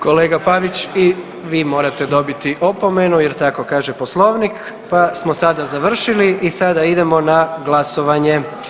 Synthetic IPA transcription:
ko̞leːɡapaʋit͡ɕi | ʋiːmo̞ːɾat̪e̞d̪o̞bit̪iʔo̞po̞me̞nujeɾt̪ako̞kaːʒepo̞slˠo̞ʋnik | pasmo̞sad̪azaʋr̩ʃiliʔisad̪aid̪e̞mo̞naɡlˠaso̞ʋaɲe̞

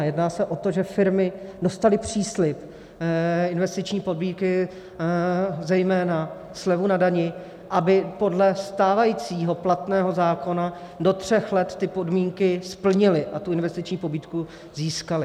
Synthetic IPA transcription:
jɛdnaːsɛʔo̞t̪o̞ʒɛfɪɾmɪdo̞st̪alɪpr̝̥iːslɪp | ɪnvɛst̪ɪt͡ʃɲiːpo̞dmiːkɪ | zɛjmɛːna | slɛvunadaɲɪ | ʔabɪpo̞dlɛst̪aːvajit͡siːɦo̞plat̪nɛːɦo̞zaːko̞na | do̞t̪r̝̥ɛxlɛt̪ːɪpodmiːŋkɪspl̩ɲɪlɪʔat̪uɪnvɛst̪ɪt͡ʃɲiːpo̞biːt̪ku | ziːskalɪ

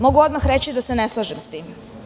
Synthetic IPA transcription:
mo̞ɡuod̪maxɾet͡ɕid̪aseneslˠaʒemst̪iːm

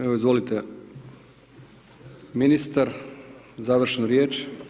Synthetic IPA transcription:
eʋoizʋolit̪e | minist̪aɾ | zaːʋr̩ʃnoɾjeːt͡ʃ

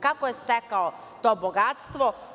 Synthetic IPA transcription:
kakojest̪ekao | t̪o̞ːboɡat̪st̪ʋo

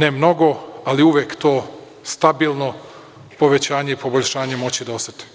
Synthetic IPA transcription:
nemno̞ɡo̞aliuʋjekt̪oː | st̪abiːlˠno̞ | po̞ʋe̞t͡ɕaːɲe̞ipo̞bo̞ʎʲʃaːɲe̞mo̞t͡ɕid̪aost̪at̪e̥

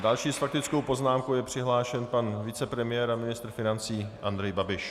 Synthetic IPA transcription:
dalʃiːsfak̚t̪ɪt͡skowpo̞znaːmkowjɛpr̝̥ɪɦlaːʃɛnpanvɪt͡sɛpɾɛmɪjɛːɾamɪnɪst̪ɾfɪnant͡siːʔand̪ɾɛjbabɪʃ

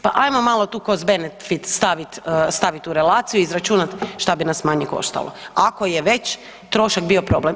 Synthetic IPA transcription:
paʔajmomalˠot̪uːkozbenet̪fit̪st̪aʋit̪əst̪aʋit̪uɾe̞laːt̪sijuizɾat͡ʃuːnat̪ʃt̪abinasmaɲeko̞̰ʃt̪a̰lˠo̰ako̞jeʋe̞t͡ɕ | t̪ɾo̞ʃakbio̞pɾo̞blem

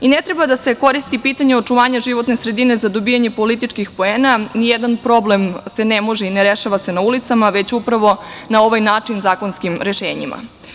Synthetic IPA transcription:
inet̪ɾe̞bad̪ase̞ko̞ɾist̪ipiːt̪aɲeot͡ʂuʋaːɲaʒiʋo̞t̪ne̞sɾe̞d̪ine̞zad̪o̞bijaɲe̞polit̪it͡ʃkixpo̞eːnanijed̪anpɾo̞blemse̞nemo̞ʒeineɾeʃaʋase̞naulit̪samaʋe̞t͡ɕupɾaʋo̞nao̞ʋajnaːt͡ʂinzaːkonskimɾe̞ʃeːɲḭma̰

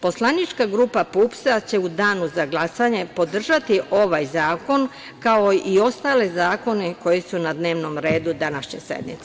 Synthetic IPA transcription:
po̞slˠanit͡ʃkaɡɾupapupsat͡ɕe̞ud̪aːnuzaɡlasaɲe̞po̞d̪r̩ʒat̪iʔo̞ʋajzaːko̞n | kaoio̞st̪alezaːko̞neko̞jesunad̪ne̞ːʋno̞mɾe̞ːd̪ud̪anaʃɲe̞̰sḛd̪nḭt̪se

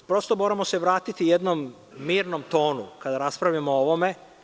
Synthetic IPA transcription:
pɾo̞st̪o̞moɾamo̞se̞ʋɾaːt̪it̪ijed̪no̞mː | iːɾno̞mt̪o̞ːnukad̪aɾaspɾaʋʎamooʋo̞me

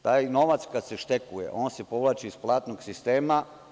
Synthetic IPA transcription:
t̪aːjno̞ʋat̪skad̪se̞ʃt̪ekujḛʔo̞ːnsepo̞ʋlˠaːt͡ʃiisplˠaːt̪noɡsist̪eːma

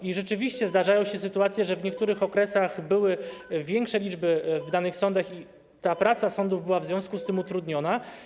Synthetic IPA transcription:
iʐɛt͡ʂɘvʲiɕt͡ɕɛzd̪aʐajɔ̃w̃ɕɛsɘt̪uat̪sʲjɛʐɛvɲɛkt̪uɾɘxɔkɾɛsaɣbɘwɘvʲjɛŋkʂɛlʲid͡ʐbɘvd̪anɘxsɔnd̪axi | t̪apɾat̪sasɔnd̪uvbɘwavzvjɔ̃w̃skust̪ɘmut̪ɾud̪ɲɔna

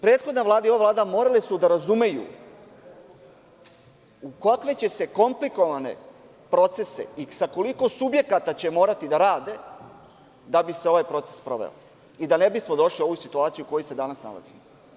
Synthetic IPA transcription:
pɾe̞ːt̪xod̪naʋlˠaːd̪aio̞ʋavlaːd̪amo̞ːɾalesud̪aɾazume̞jṵ | ukakʋe̞t͡ɕe̞se̞ko̞mpliko̞ʋane̞̰ | pɾo̞t̪se̞se̞̰isako̞liko̞subje̞kat̪at͡ɕemo̞ːɾat̪id̪aɾaːd̪e̞ | d̪abise̞o̞ʋajpɾo̞t̪sespɾo̞̰ʋḛlo | id̪anebismo̞d̪o̞ʃlio̞ʋujusit̪uaːt̪sijuko̞jose̞d̪anasna̰lˠa̰zimo

